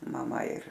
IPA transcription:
mɐˈmɐ ɪr

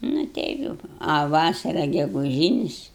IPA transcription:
nʊ ˈtʲɛɪp jɛʊ ɐ ˈʋɑːsɐrɐ ɡʲɛɡʊˈʒʲiːnʲɪs

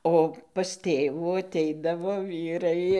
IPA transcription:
oː pɐs ˈtʲeːʋuː ɐˈtʲɛɪdɐʋoː ˈʋʲiːrɐɪ

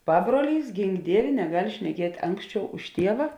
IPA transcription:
ˈpɑːbruɔˌlʲiːs ˈɡʲɪŋk ˈdʲiɛʋʲeː nʲɛˈɡɐlʲ ʃʲnʲɛˈkʲiɛtʲ ˈɐŋksʲˌt͡ʃʲɛʊ ʊʃ ˈtʲiɛʋɐ

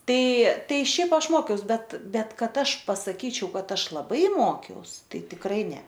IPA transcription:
ˈtɐɪ ˈtɐɪ ˈʃʲɛɪp ˈɐʃ ˈmoːkʲɛʊs ˈbʲɛt ˈbʲɛt ˈkɐt ˈɐʃ pɐsɐˈkʲiːt͡ʃʲɛʊ ˈkɐt ˈɐʃ lˠɐˈbɐɪ ˈmoːkʲɛʊs ˈtɐɪ tʲɪkˈrɐɪ ˈnʲɛ

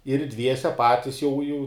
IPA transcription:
ɪr ˈdʲʋʲiɛsʲɛ ˈpɑːtʲɪs jɛʊ jɛʊ

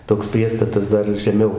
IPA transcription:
toːks ˈpʲrʲiɛstɐtɐs ˈdɐr ʒʲɛˈmʲɛʊ

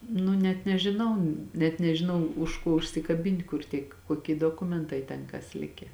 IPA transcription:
ˈnʊ nʲɛt nʲɛʒʲɪˈnɐʊ nʲɛt nʲɛʒʲɪˈnɐʊ ʊʃ ˈkoː ʊʃʲsʲɪkɐˈbʲɪnʲtʲ kʊr ˈtʲiɛk koːˈkʲiɛ doːˈkʊmʲɛntɐɪ ˈtʲɛn kɐs ˈlʲɪkʲɛ

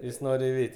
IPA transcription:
ˈjɪs ˈnoːrʲ ɪˈʋʲɛɪtʲɪ

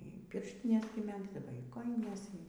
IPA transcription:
iː ˈpʲɪrʲʃʲtʲɪnʲɛs ɡʲɪ ˈmʲæːɡzdɐʋoː iː ˈkoːjɪnʲɛs

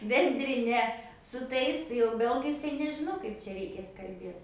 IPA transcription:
bʲɛnʲdʲrʲɪˈnʲɛ sʊ ˈtɐɪs jɛʊ ˈbʲɛlˠɡɐɪs tɐɪ nʲɛʒʲɪˈnɐʊ ˈkɐɪp t͡ʃʲɛ rʲɛɪˈkʲeːs kɐlʲˈbʲeːt

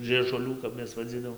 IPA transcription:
ʒɨɛʒʊˈlʲuː kɐp ˈmʲɛs ʋɐˈd͡zʲiːdɐʋoːm

